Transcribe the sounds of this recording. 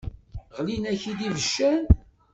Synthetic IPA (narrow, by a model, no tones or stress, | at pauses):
ʁlinæçid̪ivəʃːæn